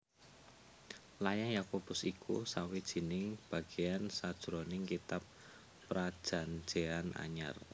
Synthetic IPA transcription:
lajaŋjakob̥ʊ̤sikʰṵsawid̥ʒ̥i̤nɪŋb̥a̤ɡ̥ejansad̥ʒ̥ɾonɪŋkit̪apː | ɾad̥ʒ̥a̤n̥d͡ʒ̥eana̰ɲa̰r

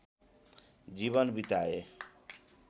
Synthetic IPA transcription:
d͡ʒiβʌnbit̪ae

